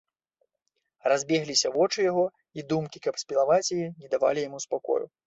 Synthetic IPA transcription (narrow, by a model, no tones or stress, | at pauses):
razʲbʲɛɣlʲisʲɐvɔt͡ʂɨjaɣɔ | id̪umkʲikɐpsʲpʲilˠavat͡sʲjinʲɛd̪ava̰lʲijamuspakɔ̰jṵ